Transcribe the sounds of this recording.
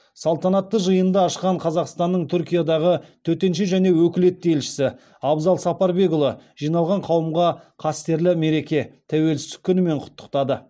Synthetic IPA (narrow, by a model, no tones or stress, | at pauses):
sɑlˠt̪ɑnɑt̪ːəʒəjənd̪ɑɑʃqɑɴqʰɑzɑqst̪ɑnːəɴt̪ʰʏɾkʲijad̪ɑʁət̪ʰɵt̪e̞nʃɪʒæne̞wɵkʲɪle̞t̪̚ːelʃɪ̥sɪ | ɑbzɑlˠsɑpɑɾbe̞ɡʊlˠəʒ̥ijnɑlˠʁɑɴqʰɑwəmʁɑqʰɑst̪e̞ɾlɪme̞ɾe̞kʲe̞t̪ʰæwe̞lsɪzt̪ɪ̥kʲʰːʏnɪme̞ɴqʰʊ̥t̪ːə̥qt̪ɑd̪ə